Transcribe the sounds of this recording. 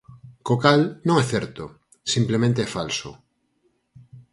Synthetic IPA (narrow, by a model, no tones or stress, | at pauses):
kokalnõŋɛθɛɾt̪o | simplemẽnt̪eɛfalso̰